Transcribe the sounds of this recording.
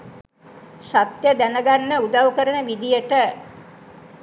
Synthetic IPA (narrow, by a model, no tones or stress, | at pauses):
sat̪jəd̪ænəɡanːəud̪aʋkəɾənəʋid̪ijəʈə